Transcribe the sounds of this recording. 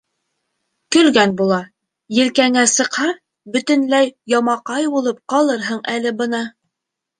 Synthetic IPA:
kɵ̆lɡænbulˠɑ | jɘ̆lkæŋæsɤ̆qhɑɾ | bɵ̆t̪ɵ̆nlæjjɑmɑqɑjbulˠɤp̚qɑlˠɤɾɦɤɴʔælɘbɤ̆nɑ

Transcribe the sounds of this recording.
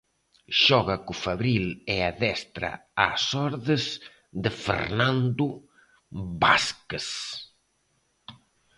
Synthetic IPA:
ʃɔɣɐkufaβɾilɛaðɛst̪ɾa̰a̰sɔɾðez | ðəfḛɾnand̪u | βbaskes

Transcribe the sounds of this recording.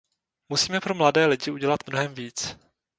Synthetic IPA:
musiːmɛpɾo̞mladɛːlɪɟɪuɟɛlat̪mnoɦɛmviːt͡s

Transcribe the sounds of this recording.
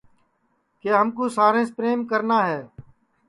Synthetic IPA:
keːɦəmkoːsaːɾẽːspɾeːmkəɾnaːɦɛː

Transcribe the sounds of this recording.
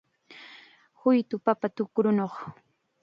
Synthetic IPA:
hʊjt̪ʊpapat̪ʊkɾʊnoχ

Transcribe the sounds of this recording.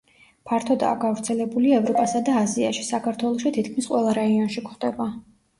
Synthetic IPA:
pʰaɾt̪ʰɔd̪a̰ːɡavɾt̪sʰɛlɛbuliaɛvɾɔpʼasad̪aːzia̰ʃisakʰaɾt̪ʰwɛlˠɔʃit̪ʰit̪kʰmisqʼwɛlˠaɾaiɔnʃikχd̪ɛba

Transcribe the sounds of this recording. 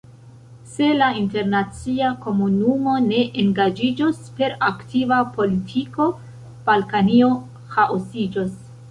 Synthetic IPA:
se̞lainte̞ɾnat͡siako̞munumo̞ne̞ʔeŋɡad͡ʒid͡ʒospe̞ɾaktʰivapo̞litʰiko̞ | b̥alkanio̞ | haʔosid͡ʒos

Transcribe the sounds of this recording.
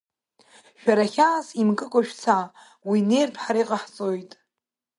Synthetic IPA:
ʃᶣaɾaχʲaːsimkʼɨkʷʼaʃᶣt͡sʰa | wine̞jrpʰħaɾijqʼaħt͡sʼojtʼ

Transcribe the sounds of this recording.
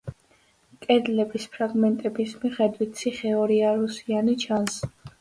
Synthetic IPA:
kʼɛd̪lɛbispʰɾaɡmɛnt̪ʼɛbismiχɛd̪wit̪ʰsʰiχɛɔɾiaɾusianit͡ʃʰans

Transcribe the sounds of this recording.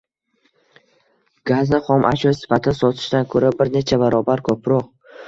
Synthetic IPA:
ɡ̥aznɪχɒmʔaʃɒjsɪ̥fat̪ʰɪnsɒt̪ʰɪ̥ʃt̪ankʰɵɾabɪɾne̞t͡ʃʰabaɾɒbaɾkʰɵpʰɾɒq

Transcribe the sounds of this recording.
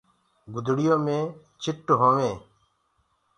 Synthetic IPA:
ɡʊd̪ʱɽɪjõːmẽː | t͡ʃʰɪʈːɦõːʋẽː

